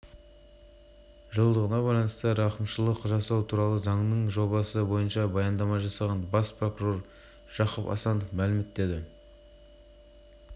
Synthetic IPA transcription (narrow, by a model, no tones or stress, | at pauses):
ʒəlˠd̪əʁənɑbɑjlˠɑnəst̪əɾɑqəmʃəlˠəqʒɑsɑwt̪ʰuɾɑlˠəzɑŋnəɴʒo̞bɑsəbo̞jənʃɑbɑjɑnd̪ɑmɑʒɑsɑʁɑnbɑspro̞kuɾo̞r | ʒ̥ɑqəpɑ̰sɑnəfmælɪme̞t̪ːe̞d̪ɪ